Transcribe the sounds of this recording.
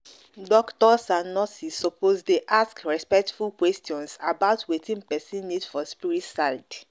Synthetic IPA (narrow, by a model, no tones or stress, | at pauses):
dɔktɔsãnɔsisːɔpʰozteʔaskɹɛspɛk̚tfulkwɛstiɔ̃nsabaʊtʰwetĩnpɛsĩnːidfɔspiɹitsaɪd